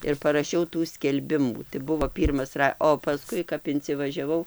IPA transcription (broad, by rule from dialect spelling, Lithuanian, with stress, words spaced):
ɪr pɐrɐˈʃʲɛʊ tuː sʲkʲɛlʲˈbʲɪmuː tɐɪ ˈbʊʋoː ˈpʲiːrmɐs ˈrɐ oː pɐˈskʊɪ kɐp ɪnʲt͡sʲɪʋɐʒʲɛˈʋɐʊ